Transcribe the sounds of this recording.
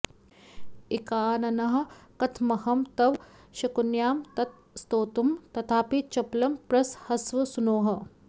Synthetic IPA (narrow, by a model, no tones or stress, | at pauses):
ikaːnɐnɐɦɐ̆kɐt̪ʰmɐhɐmt̪ɐʋ | ʃɐkunjaːmt̪ɐt̪̚ | st̪oːt̪umt̪ɐt̪ʰaːpit͡ʃɐplɐmpɾɐshɐsʋɐsunoːɦɐ̆